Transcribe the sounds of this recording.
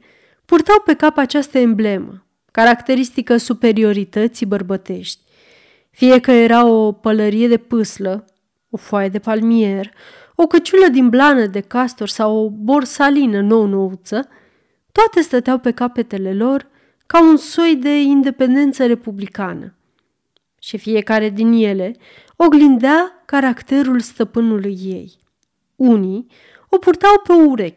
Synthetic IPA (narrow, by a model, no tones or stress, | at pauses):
purt̪awpe̞kapat͡ʃast̪əemble̞mə | kaɾakt̪e̞ɾist̪ikəsupe̞ɾio̞ɾit̪ət̪sibərbət̪e̞ʃt̪ʲ | fije̞kəje̞ɾao̞pələɾije̞d̪e̞pɨslə | o̞foajed̪e̞palmie̞r | o̞kət͡ʃuləd̪inblanəd̪e̞kast̪orʲsawobo̞rsalinəno̞wno̞ut̪sə | t̪oat̪e̞st̪ət̪eawpe̞kape̞t̪e̞le̞lo̞r | kaunso̞jd̪e̞ind̪e̞pe̞nd̪e̞nt̪səɾe̞publikanə̰ | ʃifije̞kaɾe̞d̪inje̞le̞ | o̞ɡlind̪eakaɾakt̪e̞ɾulst̪əpɨnulujːe̞j | uni | o̞purt̪awpe̞ouɾe̞kʲ